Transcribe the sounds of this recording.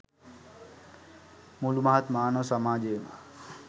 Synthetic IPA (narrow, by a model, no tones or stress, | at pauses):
mulumaɦat̪maːnoʋsɐmaːd͡ʒeːma̰